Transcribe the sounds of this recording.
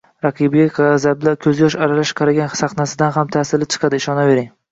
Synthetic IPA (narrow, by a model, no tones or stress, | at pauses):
ɾɑqʰɨbɪɡʲaqʰzablakʲʰɵzjɒʃaɾalaʃqʰɑɾaɡʲansaχnasɪd̪anɦamt̪ʰasɪlɪt͡ʃʰɨ̥qʰɑd̪ɪːʃɒnave̞ɾɪŋ